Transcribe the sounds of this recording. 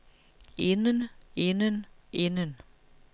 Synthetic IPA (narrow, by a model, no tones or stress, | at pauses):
ɪnənɪnənʔɪnən